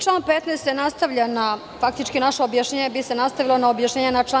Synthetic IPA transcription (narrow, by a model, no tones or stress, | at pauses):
ʈ͡ʂlaːnpet̪nest̪jenast̪aʋʎana | fak̚t̪it͡ʃkinaʃeobjaʃɲeːɲebise̞nast̪aʋilonaobjaʃɲeːɲenat͡ʂla